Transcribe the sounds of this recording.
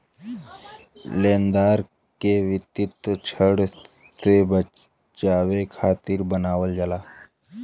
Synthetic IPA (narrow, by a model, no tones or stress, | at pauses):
lend̪aɾ | keʋit̪ːit̪ət͡ɕʰəɽ | sebə | t͡ʃaʋekʰat̪iːɾbənaʋəld͡ʒala